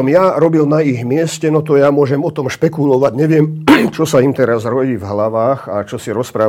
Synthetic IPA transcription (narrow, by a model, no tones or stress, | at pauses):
ɔmjaɾɔbilnaiɣmɪɛscɛnɔt̪ɔjamʊɔʒɛmɔt̪ɔmʃpɛkulɔʋaɟɲɛʋɪɛmt͡ʃɔsaimt̪ɛɾazɾɔɟiːvɦlaʋaːxat͡ʃɔsiɾɔspɾaː